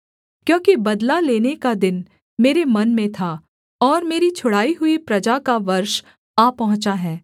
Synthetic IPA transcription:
kjõːkibɐd̪laleːnekad̪ɪn | meːɾemɐnmẽt̪ʰa | ɔːɾmeːɾit͡ʃʰʊɽ̤aːiɦʊipɾɐd͡ʒakaʋɐɾʃ | aːpɐɦʊ̃t͡ʃaɦɛː

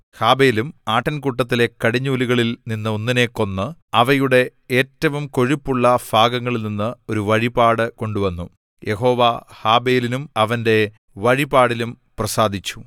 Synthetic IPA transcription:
haːbe̞ːlumaːʈːɐnkuʈːɐt̪ːile̞kːɐɽiɲːuliɣɐɭilninːɨo̞nːine̞ːkːo̞nːɨɐʋɐjuɽe̞ | eːtːɐʋumko̞ɻipːuɭːɐfaːɡɐŋːɐɭilninːɨo̞ɾuʋɐɻibaːɽɨko̞ɳɖuʋɐnːu | jʔe̞ɦo̞ːʋahaːbeːlinumɐʋɐnde̞ | ʋɐɻibaːɽilum | prɐsaːd̪ʱit͡ɕːu̥

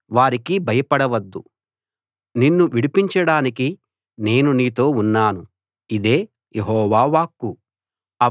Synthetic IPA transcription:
ʋaːɾikibʱɐjɐpɐɽɐʋɐd̪ːu | ninːuʋiɽipiɲt͡ʃɐɽaːniki | ne̞ːnuniːt̪o̞ːunːaːnu | id̪e̞ː | jeɦɔːʋaːʋaːkːu | ɐ

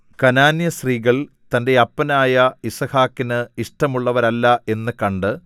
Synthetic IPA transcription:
kɐnaːnjɐsriːɣɐɭ | t̪ɐnde̞ɐpːɐnaːjɐisɐhaːkːinɨiʂʈɐmuɭːɐʋɐɾɐlːɐʔe̞nːɨkɐɳɖɨ

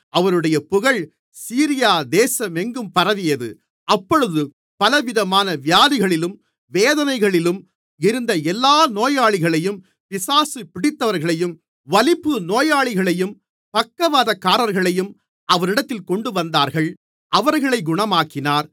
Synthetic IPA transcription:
ʔɐʋɐɾɯɽɐjɐpʊɣɐɭ | siːɾɪjaːd̪eːsɐmɛŋɡɯmpɐɾɐʋɪjɐðɯ̰ | ʔɐpːɔɻɯðɯ | pɐlɐʋɪðɐmaːnɐʋjaːðɪɣɐɭɪlɯm | ʋeːðɐnɐɪɣɐɭɪlɯm | ɪɾɯnd̪ɐɛlːaːnoːjaːɭɪɣɐɭɐjɯm | pɪsaːsɯpɪɽɪt̪ːɐʋɐɾɣɐɭɐjɯm | ʋɐlɪpːɯnoːjaːɭɪɣɐɭɐjɯm | pɐkːɐʋaːðɐkːaːɾɐɾɣɐɭɐjɯm | ɐʋɐɾɪɽɐt̪ːɪlkɔɳɖɯʋɐnd̪aːɾɣɐɭ | ʔɐʋɐɾɣɐɭɐɪɡʊɳɐmaːkɪnaːɾ

